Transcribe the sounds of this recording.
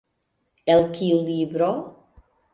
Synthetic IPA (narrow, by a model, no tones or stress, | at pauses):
elˠkʰilibɾɔ